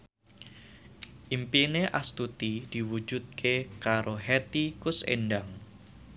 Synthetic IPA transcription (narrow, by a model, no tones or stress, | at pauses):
ʔimpineʔast̪ut̪id̪̥iwu̥d͡ʒ̥ut̪̚kʰekaɾoɦɛt̪ikʊsḛnɖaŋ